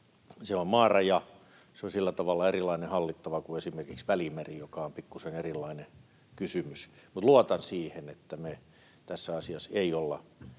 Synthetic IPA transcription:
seommɑːrɑjɑ | seonsilːæt̪ɑʋɑlːɑerilɑinehɑlːit̪ːɑʋɑkuesimerkiksʋælimærijokɑompikːusenerilːˑɑine | kysymys | mut̪luɑt̪ɑnsiːhenet̪ːæme | t̪æsːæɑsiɑseiolːɑ̰

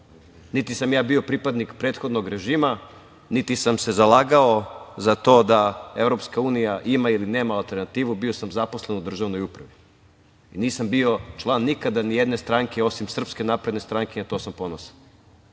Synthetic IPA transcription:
nit̪isamjaːbio̞pɾipad̪nikpɾe̞ːt̪xo̞d̪noɡɾe̞ʒiːma | nit̪isamse̞zalˠaːɡaozat̪o̞ːd̪ae̞ʋɾo̞pskauːnijaʔimailine̞ːmaːlˠt̪e̞ɾnat̪iːʋubio̞samzapo̞sle̞nud̪r̩ʒaʋno̞jupɾaʋi | iniːsambio̞t͡ʃlˠaːnːikad̪anijed̪ne̞st̪ɾaŋke̞o̞simsr̩pske̞naːpɾe̞d̪ne̞st̪ɾaŋkeat̪o̞ːsampo̞nosḁ

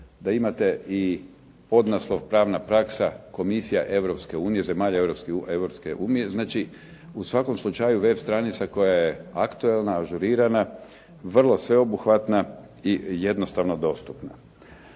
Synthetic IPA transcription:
d̪aimat̪e̞ʔi | po̞d̪naslˠo̞ʋpɾaːʋnapɾaksako̞misijaʔe̞ʋɾo̞pske̞uːnije̞ze̞maːʎaeʋɾopskieʋɾopskḛʔuːnije̞znaːt͡ʃi | usʋako̞mslˠut͡ʃajuʋe̞bst̪ɾanit̪sako̞jajeakt̪uelˠnaːʒuɾiːɾana | ʋr̩lˠo̞sʋe̞o̞buxʋat̪na | ije̞d̪no̞st̪aʋno̞d̪o̞st̪upna̰

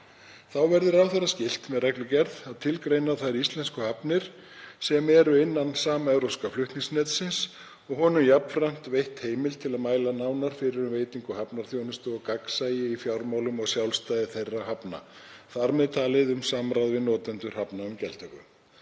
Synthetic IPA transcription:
θawvɛɾðɪɾawθaɾascɪl̥t̪mɛðrɛklʏcɛɾðaðt̪ʰɪlkɾejnaθajɾist̪lɛnskʏhapnɪɾ̥ | sɛmɛɾʏɪnːansaːmɛvɾowskaflʏht̪niŋsnɛt̪sɪns | ɔɣɦɔːnʏmjapn̥fɾam̥t̪vejht̪heːjmɪlt̪ʰɪlaðmaːjlanaːwnaɾ̥fɪɾɪɾʏmveːjt̪iŋkʏhapnaɾ̥θjownʏst̪ʏɔkaksaːjɪifjawɾmawlʏmɔɣsjawlst̪aːjðɪθejrːaɦapna̰θaɾmɛðt̪ʰaːlɪðʏmsaːmɾawðvɪnɔːt̪ant̪ʏɾ̥hapnaʏmcɛlt̪hʏkʏ̰m

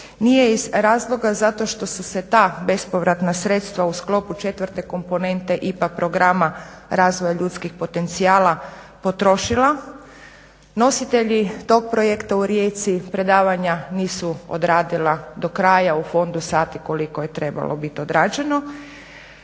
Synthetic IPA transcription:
nije̞izɾaːzlˠo̞ɡazat̪o̞ʃt̪o̞suse̞t̪aːbe̞spo̞ʋɾat̪nasɾe̞t̪st̪ʋausklˠo̞put͡ʃe̞t̪ʋəɾt̪e̞ko̞mpo̞ne̞nt̪e̞ʔipak̚pɾo̞ɡɾama | ɾaːzʋojaʎut̪skixpo̞t̪e̞nt̪siaːla | po̞t̪ɾo̞ʃilˠa | no̞sit̪e̞ʎit̪o̞ɡ̚pɾo̞jekt̪auɾje̞ːt̪sipɾe̞d̪aːʋaɲaniːsuo̰d̪ɾaːd̪ilad̪o̞kɾaːjaufo̞nd̪usaːt̪iko̞liko̞je̞t̪ɾe̞ba̰lʔobit̪iod̪ɾaːd͡ʒe̞no̞

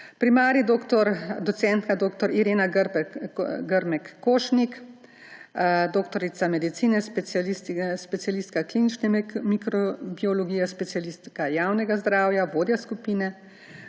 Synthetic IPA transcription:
pɾimaːɾid̪oːkt̪ɔɾd̪ɔt̪sɛnt̪kad̪oːkt̪ɔɾiɾeːnaɡɾ | ɡəɾmɛkːoːʃnik | d̪oːkt̪ɔɾit̪samɛd̪it̪siːnɛspɛist̪spɛt̪sijalist̪kakliːnit͡ʃnɛmikɾɔbiɔloɡiːjɛspɛt̪sijalist̪kajaːwnɛɡazd̪ɾaːwjaʋoːd̪jaskupiːnɛ

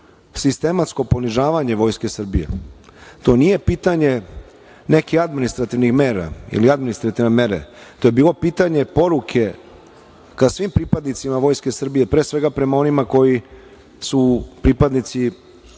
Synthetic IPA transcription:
sist̪e̞mat̪sko̞po̞niʒaːʋaɲe̞ʋo̞ːjske̞sr̩bijḛt̪o̞nije̞piːt̪aɲe̞ | ne̞kixad̪minist̪ɾat̪iʋnixme̞ːɾa̰ḭliad̪minist̪ɾat̪iʋnemeɾḛt̪o̞ːje̞biːlo̞piːt̪aɲe̞po̞ɾukʰe̞ | kasʋimpɾipad̪nit̪simaʋo̞jskesr̩bije̞pɾe̞ːsʋe̞ɡapɾe̞mao̞nimako̞ji | supɾipad̪nit̪si

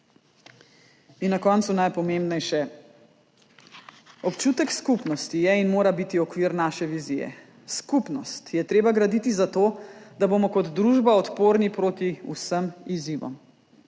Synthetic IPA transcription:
inːakɔnt̪sunajpɔmẽmbnɛjʃɛ | ɔpt͡ʃuːt̪ɛkskupnɔst̪ijɛinmoːɾabit̪iɔkʋiɾnaːʃɛʋizijɛ̰ | skupnɔst̪jɛt̪ɾeːbaɡɾad̪it̪izat̪oːd̪abomɔkɔd̪d̪ɾuʒbaɔt̪poːɾnipɾoːt̪iṵsəmiziʋɔ̰m

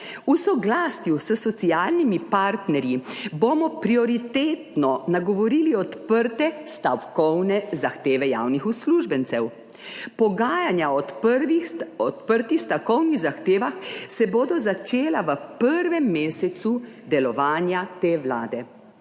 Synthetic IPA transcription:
usɔɡlaːsjusəsɔt̪siaːlnimipaɾt̪nɛɾjiboːmɔpɾiɔɾit̪eːt̪nɔnaɡɔʋɔɾiːliɔt̪pəɾt̪ɛst̪awkɔwnɛzaxt̪eːʋɛja̰ːwnixusluʒbɛnt̪sɛw | pɔɡaːjanjaɔiɔt̪pəɾt̪ixst̪awkɔwniɣzaxt̪eːʋaxsɛboːd̪ɔzat͡ʃeːlaʋəpəɾʋɛmːeːsɛt̪su | d̪ɛlɔʋaːnjat̪eːʋla̰ːd̪ɛ

